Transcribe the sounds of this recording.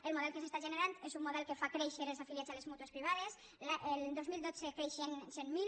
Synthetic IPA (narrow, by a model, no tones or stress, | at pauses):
elmoð̞ɛlˠkəsest̪aʒeneɾant̪ezumːoðɛlkefakɾeʃeɾelzafiljazalezmut̪uespɾiβ̞aðes | ʔeld̪ozmild̪ot͡sekɾeʃensemːil